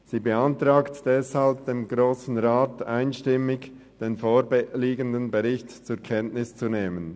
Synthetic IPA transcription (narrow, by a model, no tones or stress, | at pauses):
z̥iːbəantʁ̥aːktd̥ɛshalb̚d̥eːmɡʁoːsn̩ʁaːtaɪnʃtɪmɪç | d̥eːnfoːɾbliːɡəndənbɛʁɪçtt͡suɾkʰɛntnɪst͡suneːmən